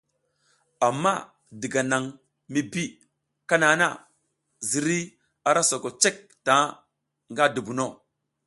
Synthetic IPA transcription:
a˨mːa˦˨ | di˨ɡa˨na˨ŋ | mi˦bi˦ | ka˦na˨˦na˦˨ | zi˨ɾi˦ | a˨ɾa˦so˨ko˨t͡ʃe˦k̚ta˨˦ | ŋɡa˦di˨bu˨no˦˨

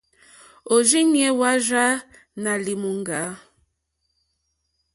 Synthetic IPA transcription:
o˨d͡ʒi˦ɲi˦ɛ˦wa˦ʒa˦ | na˨li˨mu˨ŋ˦ɡa˨˦

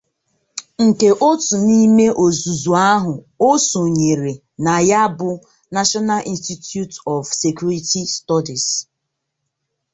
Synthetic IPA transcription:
ŋ̩˨ke˨ʔo˦tu˨ni˦me˦ʔo˨zu˨zu˨a˦ɦʊ˨ | o˦so˨ɲe˨ɾe˨ | na˨ja˦bʊ˨ | na˦ʃɔ˦na˦lʔi˦nsti˦tju˦tɔ˨vse˨kju˦ɾi˦ti˦stɔ˦di˨s

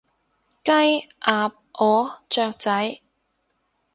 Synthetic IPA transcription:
kɐ˥jʔaː˨˧p̚ʔɔː˨˥t͡ʃœː˧k̚t͡sɐ˨˥j

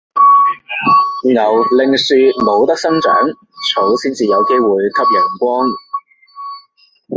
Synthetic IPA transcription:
ŋɐ˨˩wlɪ˨ŋsyː˨˧mo˨˧wt̪ɐ˥k̚sɐ˥ŋt͡ʃœ̰ː˨˥ŋ | t͡sʰo˨˥wsiː˥nt͡siː˨jɐ˨˧wke˥jwuː˨jkʰɐ˥p̚jœː˨˩ŋkʷɔː˥ŋ

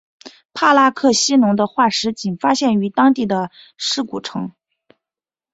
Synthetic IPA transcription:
pʰa˥˩la˥kʰɤ˥˩ɕi˥nʊ˧˥ŋd̪ə˧xwa˥˩ʂɻ̩˧˥t͡ɕi˨˩nfa˥ɕjɛ˥˩ny˧˥t̪ɑ˥ŋt̪i˥˩d̪ə˩ | ʂɻ̩˥˩ku˨˩ʈ͡ʂʰɤ˧˥ŋ

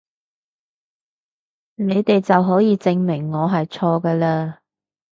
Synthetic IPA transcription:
ne˨˧jt̪e˨jt͡sɐ˨wɦɔː˨˥wjiː˨˧t͡sɪ˧ŋmɪ˨˩ŋːɔː˨˧ɦɐ˨jt͡sʰɔː˧ɡəː˧laː˧

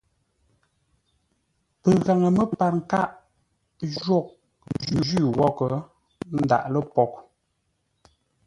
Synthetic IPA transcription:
pə˨ɣa˨ŋə˨mə˦pa˨ɾŋ̩˨ka˦ʔ | d͡ʒɥɔ˦˨k̚ | d͡ʒʉ˨d͡ʒʉ˦˨wɔ˦kə˨ | n̩˦da̰˨ʔlə˦pɔ˦k̚

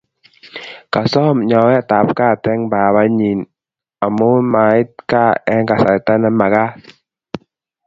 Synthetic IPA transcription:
ka˨sɔː˥˨mɲɔ˧˦wɛ˦˩˨t̪a˨˦p̚ka˧˨t̪ɛ˧˨ŋbaː˨βa˧˦ɲi˨n | ʔa˨mo˦˨maː˨˧˦t̚ka˧˨ʔɛ˧˦ŋka˨˧˨sa˨˦t̪a˧˦˨na˧˦mːa˨ka˧˨

